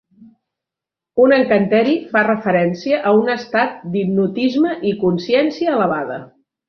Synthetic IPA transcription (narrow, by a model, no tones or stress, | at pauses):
unəŋkənt̪ɛɾifarəfəɾɛnsiəʔəunəst̪at̪̚d̪ib̚nut̪izməʔikunsiɛnsiəːləβaðə̰